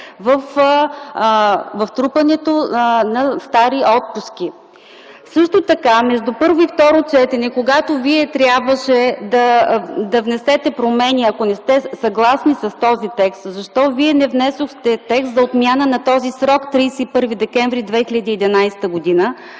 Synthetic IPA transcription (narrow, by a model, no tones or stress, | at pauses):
vəf | vɐft̪ɾupɐnɛt̪onɐst̪aɾiʔɔt̪̚pusk̟i | sɤʃt̪ot̪ɐkamɛʒd̪upɤɾvoift̪ɔɾot͡ʃɛt̪ɛnɛkoɡat̪oviɛt̪ɾʲjabvəʃɛd̪ɐd̪ɐvnɛsɛt̪ɛpɾomɛnʲiɐkonɛst̪ɛsɐɡlˠasnisɐst̪ɔzit̪ɛkst̪zɐʃt̪ɔviɛnɛvnɛsoxt̪ɛt̪ɛkst̪zɐot̪mʲjanənɐt̪ɔzisɾɔkt̪ɾijsɛipɤɾvid̪ɛkɛɱvɾid̪vɛxilʲəd̪iːd̪ɛnajsɛ̥t̪əɡʊd̪inə